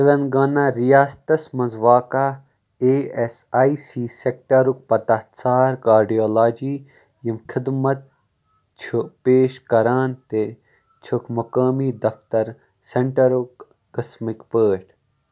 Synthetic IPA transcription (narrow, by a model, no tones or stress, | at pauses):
sɪlɐnɡaːnaːɾijaːst̪ɐsmɐnzʋaːkaː | eːesaːisiːsek̚ʈɐɾuk̚pɐt̪ɐt̪saːɾkaːɾɖijoːlaːd͡ʒiː | jɐmkʰɪd̪mɐt̪̚ | t͡ʃʰupeːʃkɐɾaːnt̪e | t͡ʃʰukʰmɐkaːmiːd̪ɐft̪ɐɾ | seɳʈɐɾukː | ɐsmikpəːʈ